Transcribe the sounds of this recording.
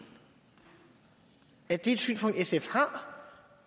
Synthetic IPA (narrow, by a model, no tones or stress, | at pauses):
æɐd̥e̝ːd̥sy̰ːnspʰɔ̽ŋd̥esefhɑ̈